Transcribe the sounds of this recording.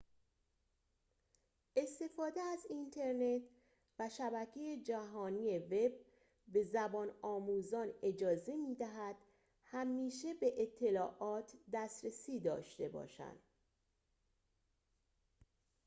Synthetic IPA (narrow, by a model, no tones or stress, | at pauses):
ʔe̞st̪e̞fɒːd̪e̞æzint̪ʰe̞ɾne̞t̪ʰ | væʃæbæcʰe̞jed͡ʒæɦɒːniːjeve̞b | be̞zæbɒːnɒːmuzɒːne̞d͡ʒɒːze̞miːd̪æɦæd̪̥ | hæmːiːʃe̞be̞ʔet̪ʰːe̞lɒːʔɒːt̪ʰd̪æstɾesiːd̪ɒ̰ːʃt̪e̞bɒ̰ːʃæ̰nd̪̥